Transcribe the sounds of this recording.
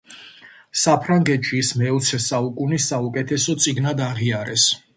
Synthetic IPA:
sapʰɾaŋɡɛt̪ʃiːsmɛɔt̪sʰɛsaukʼunisːaukʼɛt̪ʰɛsɔt̪sʼiɡnad̪aʁiaɾɛs

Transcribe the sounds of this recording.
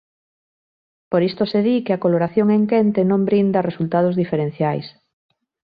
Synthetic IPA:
poɾist̪oseðikeakoloɾaθjoŋeŋkent̪enõmbɾind̪ɐresult̪að̞ozðifeɾen̟θjajs

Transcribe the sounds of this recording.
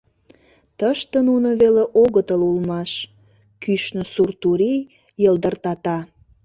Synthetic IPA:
t̪əʃt̪ənunəβeleʔoɣət̪əlulmɑʃ | kyʃnə̆surt̪uɾij | jəld̪ərt̪ɑt̪ɑ

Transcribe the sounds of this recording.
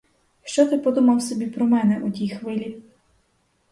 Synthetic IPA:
ʃt͡ʃɔt̪ɪpɔd̪umɐwsɔbʲipɾɔmɛnɛʔut̪ʲijxʋɪlʲi

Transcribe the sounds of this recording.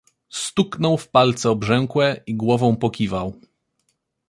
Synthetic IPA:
st̪uknɔwfpalt̪sɛɔbʐɛŋkwɛiɡwɔvɔ̃w̃pɔkʲivaw

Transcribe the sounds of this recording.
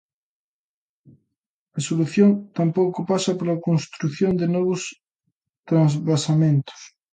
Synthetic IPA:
asoluθjont̪ampowkopasɐpolakõnst̪ɾuθjond̪enɔβ̞os | t̪ɾanzβasamẽnt̪o̥s

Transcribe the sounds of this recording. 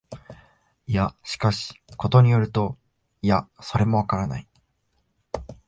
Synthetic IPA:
ijaɕi̥kaɕi̥ko̞t̪o̞ɲ̟ijo̞ɾɯ̟t̪o̞ | ijaso̞ɾe̞mo̞βakaɾana̰i

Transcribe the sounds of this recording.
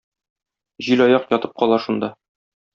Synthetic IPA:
ʑilɒjɑqjɒt̪ɤ̥p̚qɒlˠɑʃund̪ɑ

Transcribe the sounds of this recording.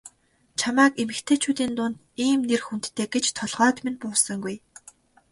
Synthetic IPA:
t͡ɕʰamaːkemɘ̆kt̪ʰeːt͡ɕʰuːt̪iːnt̪ʊnt̪ | iːmnerxunt̪ːʰeːɡet͡ɕt̪ʰɔɮʁɔːt̪menpʊːsə̆ŋɡuj

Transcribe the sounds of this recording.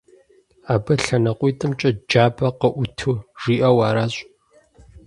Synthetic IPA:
aːbɐɬɐnɐqʷiːtʰʼɨmt͡ʃʼɐd͡ʒaːbɐqəʔʷʊtʰɨʒ̥iːʔɐwaːɾaːɕʼ

